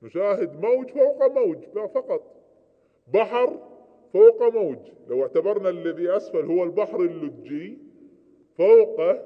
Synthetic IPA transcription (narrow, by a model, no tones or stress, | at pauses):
mʊʃaːɦɪd̪maːd͡ʒfawqamaːd͡ʒbafɑqɑt̪ˤ | baħɾ | fawqamaːd͡ʒlawɪʕt̪abɑɾˤnalːaðiʔasfalhʊwːalbaħɾɪlːʊt̪d͡ʒi | fawqa